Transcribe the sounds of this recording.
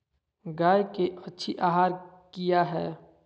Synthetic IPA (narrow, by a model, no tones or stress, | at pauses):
ɡaːjkeʔɐtːʃʰiʔaːɦaːɾ | kijaɦɛː